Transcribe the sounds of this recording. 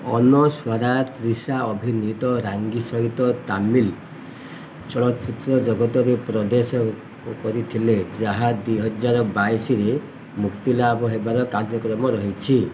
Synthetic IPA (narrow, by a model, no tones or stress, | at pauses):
ɔ̰nɔswɔɾat̪ɾisaɔbʱinit̪ɔɾaŋɡisɔɦit̪ɔt̪amil | t͡ʃɔɭɔt̪t͡ʃit̪ɾɔd͡ʒɔɡɔt̪ɔɾepɾɔd̪esɔ | kɔɾit̪ʰiled͡ʒaɦad̪ujɦɔd͡ʒaɾɔbajsiɾe | mukt̪ilaːbɔɦebaɾɔkaɾd͡ʒɔkɾɔmɔɾɔɦit͡ʃʰi